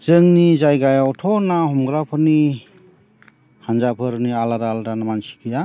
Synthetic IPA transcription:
z̥ɯŋnizajɡajawɔtʰɔnahɔmɡɾapʰɔni | hanzapʰɯɾnialaɾaːladanamansi̥kʰija

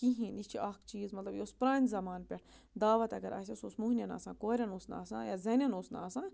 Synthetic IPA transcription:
kiɦĩːnist͡ʃʰiʔaːkt͡ʃiːzmɐt̪lɐbjospɾaːnʲzɐmaːnpʲɐʈʰ | d̪aːʋɐt̪ɐɡɐɾʔɐ̰sʲesoːsmuɦnjɐna̰ːsãːkoːɾʲɐnosna̰ːsã̰ːjaːzɐnʲɐnoːsna̰ːsãː

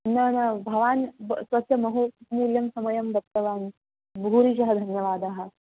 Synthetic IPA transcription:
nɐnɐbʱɐʋaːnsʋɐt̪ʰjɐmɐɦumuːljɐmsɐmɐjɐmbɐp̚t̪ɐʋaːn | buɾiʃɐɦɐd̪ʱɐnjɐʋaːd̪aɦɐ̆

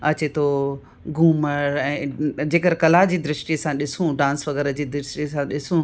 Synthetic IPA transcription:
ɐt͡ɕet̪ʰo | ɡuːməɾɛ̃ːd͡ʑeːkəɾkɐlaːd͡ʑiːd̪ɾɪʃʈiəsãɗɪsũɖãːnsʋɐɡɛːɾəd͡ʑiːd̪ɾɪʃʈisãɗɪsũ

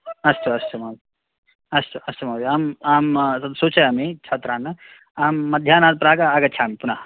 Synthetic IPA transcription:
ɐst̪uɐst̪umaːʋ | ɐst̪uɐst̪umaːʋiaːmaːmt̪ɐd̪suːt͡ʃɐjaːmeːt͡ʃʰaːt̪ɾaːnːɐ | aːmːɐd̪ʱjaːnaːd̪̚pɾaːɡɐɐɡɐtːt͡ʃʰaːmipunaː

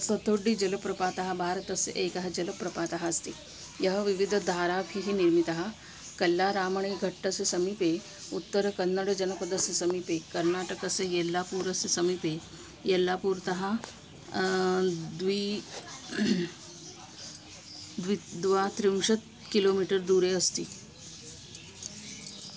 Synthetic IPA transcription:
sɐt̪ʰːoːɖːiːd͡ʒɐlɐpɾɐpaːt̪aɦɐbʱaːɾət̪ɐsʔeːkɐɦɐd͡ʒɐlɐpɾɐpaːt̪aɦɐɐst̪iː | jɐɦɐʋiʋid̪ʱəd̪ʱaːɾabʱiɦiniɾmit̪aɦɐ | kɐlːaɾaːmɐɳ̃eɡʱɐʈːɐsjɐsɐmipe | ut̪ːəɾəkɐnːəɽd͡ʒɐnɐpɐd̪ɐsjɐsɐmipeːkɐɾnaːʈɐkɐsejelːaːpuːɾəsɐsɐmipe | jelːaːpuːɾt̪ɐɦa | d̪ʋi | d̪ʋid̪ʋat̪ɾinʂət̪̚ | kiloːmiʈəɾd̪uːɾeəst̪iː

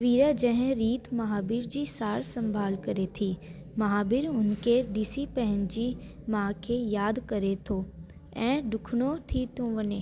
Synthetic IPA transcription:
ʋiːɾad͡ʑɐ̃ɦɪ̃ɾiːt̪mɐɦaːbɪɾd͡ʑiːsaːɾsɐ̃mbʱaːlkɐɾet̪ʰiː | mɐɦaːbɪɾʊnkʰeɖiːsipɐ̃ɦɪ̃ɲd͡ʑi | mãːkʰeːjaːd̪kɐɾet̪ʰo | ɛ̃ːɖʊkʰɽ̃ot̪ʰit̪ʰõʋɐɲeː

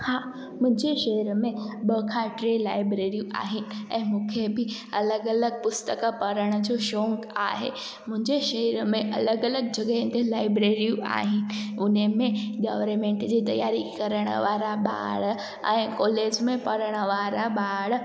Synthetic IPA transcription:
haː | mʊ̃ɦɪ̃ɲd͡ʑeʃeːəɾmẽɓəkʰãːʈɾelaːɪbɾeːɾijuʔa̰ːɦɪnɪ̆ɛ̃ːmũːkʰebɪɐləɡɐləɡ̚pʊst̪əkpɐɾəɽ̃əd͡ʑoːʃoːŋɡaːɦḛ | mʊ̃ɦɪ̃ɲd͡ʑeʃɐɦəɾmẽʔɐ̰ləɡɐləɡ̚d͡ʑɐɡəɦɪ̃t̪elaːɪbɾeːɾijua̰ːɦɪnɪ̆ʊnemẽɡaːʋɾmẽːɳʈd͡ʑiːt̪ɐ̰jaːɾikɐɾəɽ̃ə̰ʋaːɾaɓa̰ːɭ | ɛ̃ːkɔːleːd͡ʑmẽpɐɾəɽ̃ə̆ʋaːɾaɓaːɭ

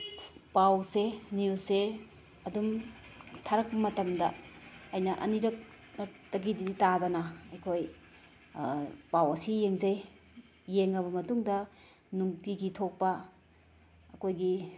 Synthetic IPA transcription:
pawseniuse | ɐdum | tʰaɾɐk̚pɐmɐtɐmdɐɐjnɐʔɐ̰niɾɐk̚ | nɐtɐɡidiitadɐnɐɐjkʰoj | pawɐsijeŋzɐjː | eŋɐβɐmɐtuŋdɐ | nuŋtiɡitʰok̚pɐ | ɐkojɡi

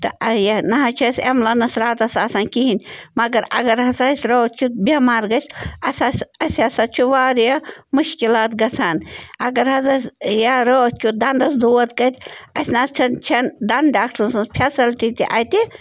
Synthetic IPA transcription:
t̪ɐɐjɐnɐɦɐt͡ʃʰɐsemlɐnɐsɾaːt̪ɐsaːsaːnkiɦinʲmɐɡɐɾɐ̰ɡɐɾɦɐsɐsʲɾot̪̚ʲkʰʲut̪bʲemaːɾɡɐsʲɐsasɐsɐsat͡ʃʰuʋaːɾjamuʃkilaːt̪ɡɐt͡sʰaːnɐɡɐɾɦɐzɐsjaɾot̪̚ʲkʲud̪ɐnd̪ɐsd̪uːɐt̪ɡɐt̪ʲɐsnaːst͡ʃʰɐnt͡ʃʰɐnd̪ɐnɖaːk̚ʈɐnsɐpʰesɐlt̪it̪iʔɐt̪i

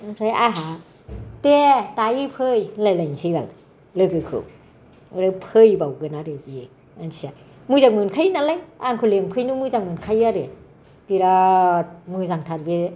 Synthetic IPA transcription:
akʰɾajaɦa | tetajipʰɯjlajlajnsijba̰ŋ | lɯɡɯkʰɯ̰w | aɾɯpʰɯjbawɡɯnaɾebie | ansia | mɯjzaŋmɯnkʰajnalajaŋkʰɯleŋpʰɯjnumɯzaŋmɯnkʰajaɾe | biɾa | mɯzaŋtʰaɾbe

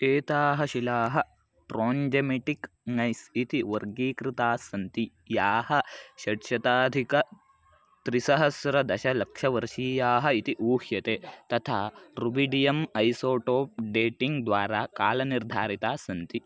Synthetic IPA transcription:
eːt̪aːɦɐʃilaːɦɐ | pɾoːɲd͡ʒemeʈik | nɐjsit̪iʋɐɾɡiːkɾit̪aːsɐnt̪i | jaːhɐʃɐʈʃɐt̪aːd̪ʱikɐ | t̪ɾisɐɦɐsɾɐd̪ɐʃɐlɐkʂɐʋɐɾʃiːjaːɦɐ̆it̪iʔuːhjɐt̪eːt̪ɐt̪ʰaːɾubiɖijɐmɐjsoːʈoːp̚ɖeːʈiŋɡd̪ʋaːɾaːkaːlɐniɾd̪ʱaːɾit̪aːsɐnt̪i

